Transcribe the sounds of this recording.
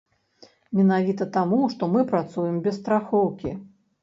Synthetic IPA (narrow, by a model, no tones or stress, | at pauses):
mʲɛnavʲit̪ɐt̪amuʂt̪ɔmɨpɾat̪sujɛmbʲɛst̪ɾaxɔwkʲḭ